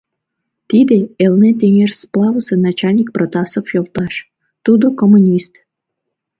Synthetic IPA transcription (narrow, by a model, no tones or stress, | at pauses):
t̪id̪eelnet̪emersplˠɑvəsenɑt͡ɕɑlʲnʲik̚prot̪ɑsofjolˠt̪ɑʃ | t̪ud̪okomunʲist̪